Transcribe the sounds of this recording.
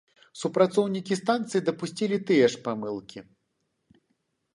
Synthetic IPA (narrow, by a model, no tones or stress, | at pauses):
supɾat̪sɔwnʲikʲist̪ant̪sɨjid̪ɐpusʲt͡sʲilʲit̪ɨjɛʂpamɨlˠkʲi